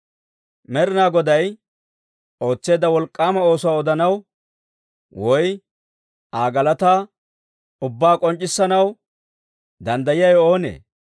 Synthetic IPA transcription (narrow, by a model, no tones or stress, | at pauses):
mɛɾɪnaːɡɔd̪ɐj | ʔo̞ːt͡sːe̞ːd̪ɐwɔlkʼːaːmɐo̞ːsʊwaːɔd̪ɐnɐw | wɔj | ʔaːɡɐlɐt̪a | ʊbːaːkʼɔnt͡ʃʼːɪsːɐnɐw | d̪ɐnd̪ɐjɪjɐjo̞ːnḛː